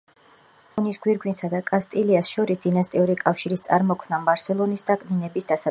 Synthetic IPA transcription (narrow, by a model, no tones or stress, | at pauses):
ɔnisɡwiɾɡwinsad̪akʼast̪ʼiliasʃɔɾisd̪̥inast̪ʼiuɾikʼafʃiɾist̪sʼa̰ɾmɔkʰnabaɾsɛlˠɔnisd̪akʼninɛbisd̪asa